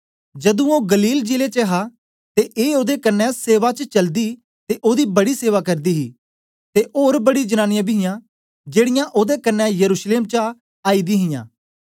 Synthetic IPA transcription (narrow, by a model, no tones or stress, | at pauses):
d͡ʒɐd̪ũoːɡəliːld͡ʒilet͡ʃəɦa | t̪eʔeːoːd̪ekɐnːɛ̃seːʋat͡ʃət͡ʃɐld̪i | t̪eʔoːd̪ibɐɽiseːʋakɐɾd̪iːɦiː | t̪eʔoːɾbəɽid͡ʒənaːnɪjãːbɪɦɪjãː | d͡ʒeːɽɪjãʔoːd̪ekənːɛ̃jəɾuːʃleːmt͡ʃə | aːid̪iɦɪ̃jã̰ː